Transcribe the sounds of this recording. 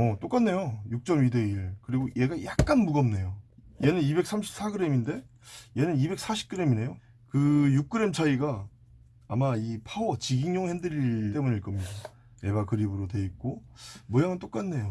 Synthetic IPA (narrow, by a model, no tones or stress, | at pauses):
ʌt͈ok͈anːe̞jojuk̚t͡ɕ͈ʌmide̞iɭkɯɾiɡoje̞ɡajak̚k͈anmuɡʌmne̞joje̞nɯnibe̞k̚s͈ʰamɕʰi̥p̚s͈aɡɯɾe̞minde̞ | je̞nɯnibe̞k̚s͈aɕʰi̥k͈ɯɾe̞mine̞jo | kɯjuk͈̚ɯɾe̞mt͡ɕʰaiɡaː | maipʰawʌt͡ɕiɡiŋɲoŋhendɯɾiɭt͈e̞muɲiɭk͈ʌmɲida | je̞ɡakɯɾibɯɾote̞it̚k͈omʌjaŋɯnt͈ok͈anːe̞jo